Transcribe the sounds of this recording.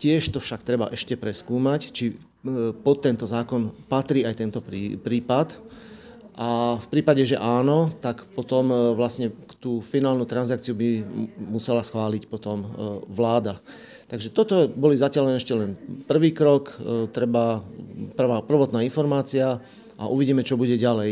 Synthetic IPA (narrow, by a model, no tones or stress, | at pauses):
cɪɛʃt̪ɔfʃakt̪ɾɛba̰ʔɛʃcɛpɾɛskuːmact͡ʃi | pɔt̪ːɛnt̪ɔzaːkɔnpat̪ɾiːajt̪ɛnt̪ɔpːpɾiːpat̪ | ʔafpɾiːpaɟɛʒɛʔaːnɔt̪akpɔt̪ɔmʋlasɲɛkt̪uːfinaːlnut̪ɾanzak̚t͡siubimusɛlasxʋaːlicpɔt̪ɔmʋlaːd̪a | t̪aɡʒɛt̪ɔt̪ɔbɔlizacɪalɛnɛʃcɛlɛnpr̩ʋiːkɾɔkt̪ɾɛbapr̩ʋapr̩ʋɔt̪naːinfɔɾmaːt͡sia | ʔa̰ʔuʋiɟiːmɛt͡ʃɔbuɟɛɟalɛj